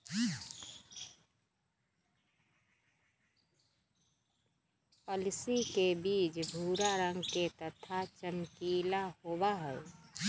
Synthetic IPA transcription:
pɔlɪsikebiːt͡ʃbʱuːɾaɾə̃ŋɡket̪ət̪ʰat͡ʃəmkiːlahoːwaɦɛe

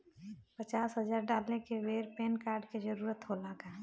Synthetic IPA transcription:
pət͡ʃaːsɦəd͡ʒaːɾɖaːlekeweːɾpeːnkaːɾɖked͡ʒəɾuːɾət̪ɦolaɡa

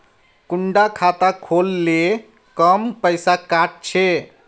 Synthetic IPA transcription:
kuɳɖakʰat̪akʰolːe | kəmpəɪsakaʈ̚t͡ʃʰe

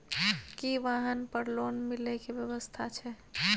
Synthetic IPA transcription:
kiʋaːɦənpəɾloːnmɪlekebjəʋəst̪ʰat͡ʃʰɛ

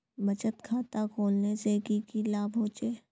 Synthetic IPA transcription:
bɐt͡ʃət̪kʰaːt̪akʰoːlnesekikilaːbʱoːt͡ʃeː

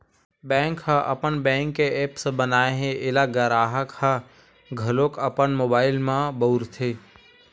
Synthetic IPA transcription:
bɛ̃ːŋkʰːãʔə̰pənbɛ̃ːŋkːeʔeːpsbənaːeɦẽʔɪlaɡəɾaːɦəkʰã | ɡʱəlokəpənmoːbaːɪlmãbəʊɾt̪ʰe

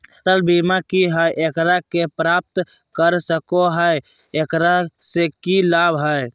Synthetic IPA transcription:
t̪əlbimakiɦəjʔekɾakepɾap̚t̪ | kəɾsəkoɦəj | ekɾasekilabɦəj

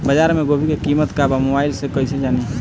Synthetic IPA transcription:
bəd͡ʒaːɾmeɡobʱikekimət̪kabamobaːɪlsekəised͡ʒani

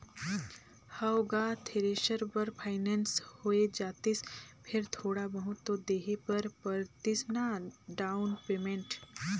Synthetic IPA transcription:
hawɡaːt̪ʰeɾeːʃəɾpɐɾpʰaːɪnɛːnshoed͡ʒaːt̪ɪspʰɪɾt̪ʰoːɽabɐɦʊt̪ːod̪eːɦepɐɾpɐɾt̪ɪsnaɖaːʊnpeːmẽɳʈ

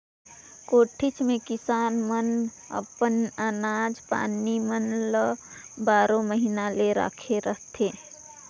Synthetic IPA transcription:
koːʈʰɪt͡ʃmẽkɪsaːnmən | ə̰pənənaːd͡ʒpa̰ːnimənləbaːɾõməɦinaleɾa̰ːkʰeɾəɦt̪ʰeː

